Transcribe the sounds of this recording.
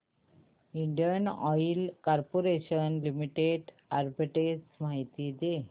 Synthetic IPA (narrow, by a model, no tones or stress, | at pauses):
iɳɖijənɔjlkaɾpoɾeɕənlimiʈeɖ | aɾbiʈesmaɦit̪id̪e